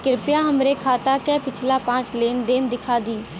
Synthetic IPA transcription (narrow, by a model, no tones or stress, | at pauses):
kɪɾpjãːɦəmɾeːkʰaːt̪aːkɛːpɪt͡ʃʰlaːpãːt͡ʃleːnd̪eːnd̪ɪkʰaːd̪iː